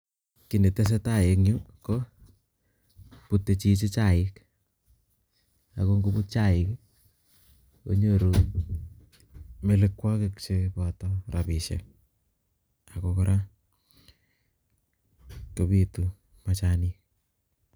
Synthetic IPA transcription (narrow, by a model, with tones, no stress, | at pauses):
ki˨ne˨te˦s̬e˦ta˦˨je˨kɲu˦ko˦ | pu˨tːe˨t͡ʃi˦t͡ʃe˦t͡ʃa˦˨ɪ˦k | a̰˨ko˦ŋɡu˦pu˦t̚t͡ʃa˦˨ɪk | o̰˦ɲo˦ɾu˨ | me˦lɪkwɔ˦kɪkt͡ʃepɔ˨tɔ˦ɾapi˨ʃɛ̰k̚ | a˨kokoɾʔa˦ | ko˨pi˦tu˨ | ma˨t͡ʃani˦